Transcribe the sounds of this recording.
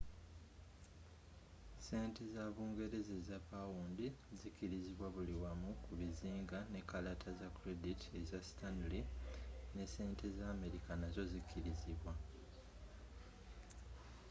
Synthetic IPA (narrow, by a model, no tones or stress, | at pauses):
se̞ːntezaβuːŋɡe̞ɾezezapawuːndizikiɾiziβwaβuliwamukuβiziːŋɡane̞kalatʰazakuɾe̞ditʰie̞zastanline̞se̞ːntʰe̞zaːme̞ɾikanazo̞zikʰːiɾiziβwa